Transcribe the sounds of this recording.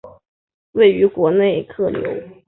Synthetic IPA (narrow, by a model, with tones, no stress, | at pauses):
we˥˩ɪy˧˥kwɔ˧˥ne˥˩ɪkʰɤ˥˩ljo̰˧˥ʊ